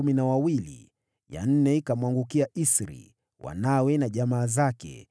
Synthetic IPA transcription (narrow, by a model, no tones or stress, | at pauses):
uminawawilḭ | ja̰n̩nɛikamwaŋɡukiaʔisɾḭ | wʔa̰nawɛnaʄamaːzakɛ̰